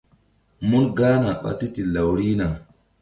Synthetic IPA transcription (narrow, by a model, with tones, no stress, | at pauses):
mu˦nɡa˦na˨ɓa̰˦ti˦ti˨la˨wɾi˦na˨